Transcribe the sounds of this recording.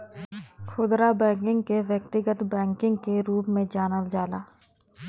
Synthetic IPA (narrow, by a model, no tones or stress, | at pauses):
xʰʊd̪ɾabɛ̃ːkɪ̃ŋɡkeʋjək̚t̪ɪɡət̪bɛ̃ːŋkɪ̃ŋɡ̚keɾuːpmẽd͡ʒaːnəld͡ʒaːlaː